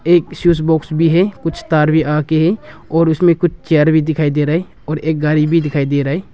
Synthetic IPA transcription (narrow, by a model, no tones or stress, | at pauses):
eːksjuːsbɔːksbʱiɦɛkʊt͡ʃʰt̪aːɾbʱiʔaːkeɦɛɔːɾʊsmẽkʊt͡ʃʰt͡ʃeɾbʱid̪ɪkʰaːid̪eɾaɦe | ɔːɾeːk̚ɡaːɾibʱid̪ɪkʰaːid̪eɾaːɛ